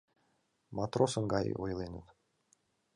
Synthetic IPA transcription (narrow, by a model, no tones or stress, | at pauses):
mɑt̪rosɤ̆ŋɡɑ̰ʔojlˠenə̰t̪